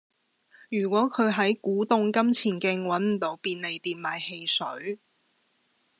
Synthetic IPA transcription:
jyː˨˩kʷɔː˨˥kʰɵ˨˧ɥɦɐ˨˥jkuː˨˥t̪ʊ˧ŋkɐ˥mt͡sʰiː˨˩nkɪ˧ŋwɐ˨˥nm̩˨˩t̪o˨˧˥wpiː˧nle˨˧jt̪iː˨nmaː˨˩jhe˧jsɵ̰˨˥ɥ

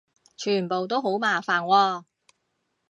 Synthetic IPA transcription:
t͡ʃʰyː˨˩npo˨wt̪̬o˥wɦo˨˥wmaː˨˩faː˨nwɔː˧

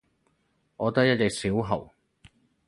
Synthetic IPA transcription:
ɔː˨˧t̪ɐ˥jɐ˥t̚jɛ˨k̚siː˨˥wɦɐ̰˨˩w

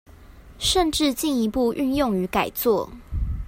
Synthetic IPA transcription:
ʂə˥˨nʈ͡ʂɻ̩˥˨t͡ɕi˥˩ni˧˥pu˥˧ʔy˥˧njo˥˨ŋy˨˧˦ka˨˩ɪt͡swɔ˥˨

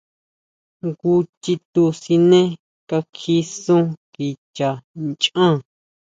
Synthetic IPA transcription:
ŋku˧t͡ʃi˧t̪u˧si˧nẽ˦ | ka˧kʰi˧sũ˦ki˨t͡ʃa˨nt͡ʃã˦˨

